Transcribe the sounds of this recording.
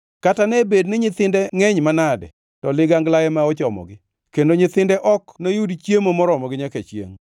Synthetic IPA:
katanɛbed̚nɪɲɪt̪ɪndɛŋɛɲmanadɛ̰ | tɔlɪɡaŋɡlajɛmaɔt͡ʃɔmɔ̰ɡɪ | kendoɲɪt̪ɪndɛʔɔknojudt͡ʃjemomɔɾɔmɔɡɪɲaket͡ʃjḛŋ

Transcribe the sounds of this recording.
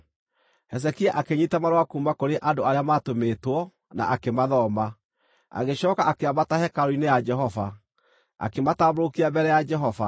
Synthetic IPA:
hɛs̬ɛkiaʔakeɲitamaɾwakuːmakoɾeʔandoaɾeamatomeːtwɔ | na̰ʔakemaðɔma | a̰ɣeɕɔːkaʔakeabatahɛkaɾoinejad͡ʒɛɦɔva | a̰kemataːboɾokiabɛɾɛjad͡ʒɛɦɔva

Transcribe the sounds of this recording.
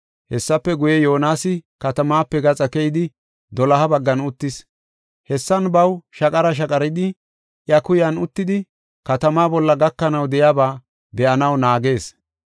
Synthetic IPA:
hɛsːɐpːɛɡʊjɛjo̞ːnaːsɪkɐt̪ɐmaːpːɛɡɐt͡sʼɐkɛjɪd̪ɪ | d̪ɔlɐɦɐbɐɡːɐnʊt̪ːɪs | hɛsːɐnbɐwʃɐkʼɐɾɐʃ̬ɐkʼɐɾɪd̪ɪ | ʔjɐkʊjɐnʊt̪ːɪd̪ɪ | kɐt̪ɐmaːbɔlːɐɡɐkːɐnɐwd̪ɛjaːbaː | b̪ɛʔɐnɐwnaːɡe̞ːs

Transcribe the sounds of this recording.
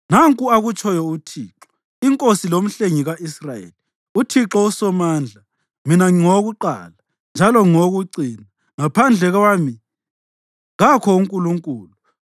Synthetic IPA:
naŋkʼuaɣut͡ʃʰɔjɔutʰiːǁɔ̥ | iŋkʼosilom̩ɬeŋiɣaʔisrajḛːli | utʰiǁɔusɔmaːnd͡ɮʱa | minaŋoɣuǃa̰ːla | nd͡ʒʱalɔŋoɣuǀiːna | ŋapʰand͡ɮʱɛɣaːmi | ɣakʰɔuŋkʼuluŋkʼuːlu

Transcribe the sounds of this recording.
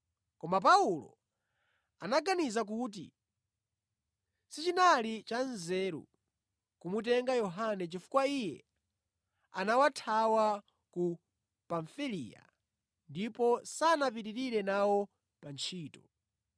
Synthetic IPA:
kɔmap̬aulɔ̰ | anaɡanizak̬uːt̬ḭ | sit͡ʃinalit͡ʃanzɛːɾṵ | kumut̬ɛŋɡajɔɦanɛt͡ʃifu̥kwaijɛ̰ | anawatʰawa | ku | paɱfilḭja̰ | ndipɔsanap̬itiɾiɾɛnawɔ | pant͡ʃʰiːtɔ̥

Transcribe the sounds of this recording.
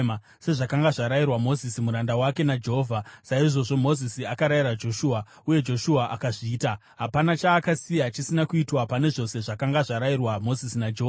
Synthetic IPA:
ma | se̞ʐakaŋɡaʐaɾajirwamo̞zisimuɾandawake̞nad͡ʒeɦovʱasaiʐo̞ʐo̞mo̞zisiakaɾaiɾad͡ʒo̞ʃuːa | uje̞d͡ʒo̞ʃuaʔakaʐiːta | ɦapanat͡ʃaːkasijat͡ʃisinakuitwapane̞ʐo̞se̞ʐakaŋɡaʐaɾajirwamo̞zisinad͡ʒeo

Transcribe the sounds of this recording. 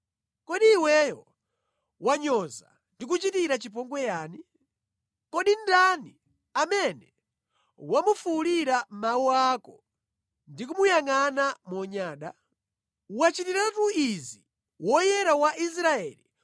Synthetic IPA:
kɔɗiːwɛjɔ | waɲɔza | ndik̬ut͡ʃitiɾat͡ʃipɔŋɡwɛjaːni | kɔɗindani | amɛnɛ | wamufuːliɾamawuakɔ | ndik̬umujaŋanamɔɲaːɗa | wat͡ʃitiɾatuizi | wɔjɛɾawaʔis̬ɾaɛli

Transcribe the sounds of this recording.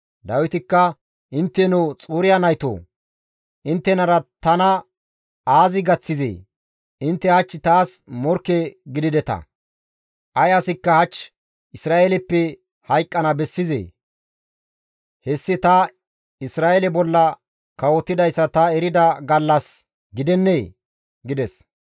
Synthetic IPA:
d̪ɐwɪt̪ɪkːɐ | ʔɪnt̪ːɛnuːt͡sʼuːɾɪjanɐjt̪o̰ː | ʔɪnt̪ːɛnɐɾɐt̪ɐnɐ | aːzɪɡɐt͡sːɪzḛː | ʔɪnt̪ːɛhɐt͡ʃːɪt̪aːsmɔɾkːeɡɪd̪ɪd̪ɛt̪ɐ̰ | ʔɐjɐsɪkːɐhɐt͡ʃː | ʔɪsɾaːelɛpːɛ | hɐjkʼːɐnɐbɛsːɪzḛː | hɛsːɪt̪ɐ | ɪsɾaːelɛbɔlːɐ | kɐwɔt̪ːɪd̪ɐjsːɐt̪ɐɛɾɪd̪ɐɡɐlːɐs | ɡɪd̪ɛnːeː | ɡɪd̪ɛs

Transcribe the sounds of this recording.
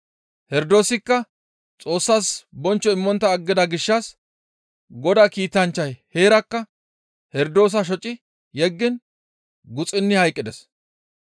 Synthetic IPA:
hɛɾd̪o̞ːsɪkːɐ | t͡sʼo̞ːsːaːsbɔnt͡ʃːɔɪmːɔnt̪ːɐːɡːɪd̪ɐɡɪʃːɐs | ɡɔd̪akiːt̪ɐnt͡ʃːɐjhe̞ːɾɐkːɐ | hɛɾd̪o̞ːs̬ɐʃ̬ɔt͡ʃʼːɪ | jɛɡːɪn | ɡʊt͡sʼɪnːɪhɐjkʼːɪd̪ɛs

